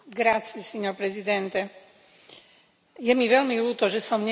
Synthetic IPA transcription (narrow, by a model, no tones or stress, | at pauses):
ɡɾat͡siɛsɛɲɔɾpɾɛzid̪ɛnt̪ɛ | jɛmiʋɛlmiluːt̪ɔʒɛsɔmɲɛ